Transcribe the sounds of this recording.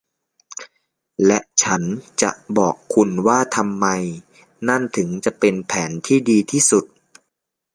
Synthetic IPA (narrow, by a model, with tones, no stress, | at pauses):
lɛ˦˥ʔt͡ɕʰa˦˥nt͡ɕa̰˨˩ʔbɔː˨˩kʰːu˧nwaː˥˩t̪ʰa˧mːa˧j | na˥˩nt̪ʰɯ˩˦ŋt͡ɕa˨˩ʔpe˧npʰɛː˩˦nt̪ʰiː˥˩diː˧t̪ʰiː˥˩su˨˩t̪̚